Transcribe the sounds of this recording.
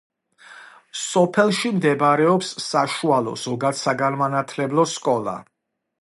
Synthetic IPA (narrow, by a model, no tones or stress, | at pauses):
sɔpʰɛlˠʃimd̪ɛbɾɛɔpsːaʃualˠɔ̰z̥ɔɡad̪saɡanmanat̪ʰlɛblˠɔskʼɔlˠa̰